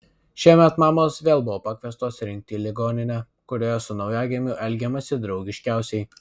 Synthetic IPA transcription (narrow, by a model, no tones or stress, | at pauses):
ʃʲiɛmʲɛt̪mɑːmoːsʋʲeːlˠbʊʋoːpɑːkʲʋʲiːst̪oːsɾʲɪŋʲk̚t̪ʲiːlʲɪɡoːnʲɪnʲɛ | kʊɾʲoːjɛsʊnɒʊjæːɡʲemʲʊʔɛlʲɡʲɛmɐsʲɪd̪ɾɒʊɡʲɪʃʲkʲæˑʊsʲɛɪ